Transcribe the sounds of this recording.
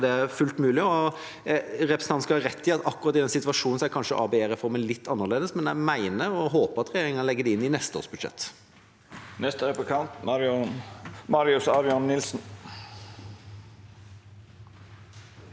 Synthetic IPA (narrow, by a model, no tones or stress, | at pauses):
d̪ɛæfʉlt̪mʉːlɪɔ | ɾɛpɾəsn̩ɑnskɑhɑɾɛt̪ʰːɪɑt̪ɑkːʉɾɑt̪ːɪd̪ɛnsɪt̪ʋɑʂuːn̩sæɪkʰɑnʂəʔɑ̰ːbɛeːɾəfɔʁmɛnlɪt̪ʰːɑnːəʁleːd̪əsmɛnæɪmæɪnəɾɔɦoːpəʁɑt̪ʁɛjeːɾɪŋɑnlɛɡːəd̪ɛɪnːɪnɛst̪əo̰ːʁsbʉd̪ʂɛ̰t̪ː | nɛst̪əɛpkʰɑnt̪ | mɑɾɪʉsɑɾɪɔnːɪlsn̩